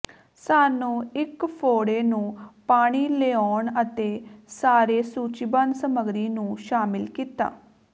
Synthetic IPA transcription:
saːnũːɪkpʰoːɽeːnũːpaːɽ̃iːleːoːɳət̪eːsaːɾeːsuːt͡ʃibansəməɡɾiːnũːʃaːmɪlkiːt̪a̰ː

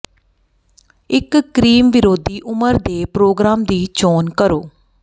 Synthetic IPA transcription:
ɪkːɾiːmʋɪɾoːd̪ʱiːʔʊməɾd̪eːpɾoːɡɾaːmd̪iːt͡ʃoːnkəɾoː

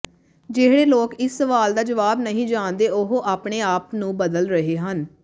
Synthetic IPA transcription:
d͡ʒeːɦɽeːloːkɪsːəʋaːld̪aːd͡ʒəʋaːbnəɦĩːd͡ʒãːnd̪eːʔʊɦoʔaːpɳeːaːpnũːbəd̪əlɾəɦeːɦən

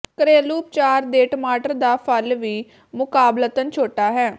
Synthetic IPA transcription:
kəɾeːluːp̚t͡ʃaːɾd̪eːʈəmaːʈəɾd̪aːpʰəlʋiː | mʊkaːblət̪ənt͡ʃʰoːʈaːɦɛː

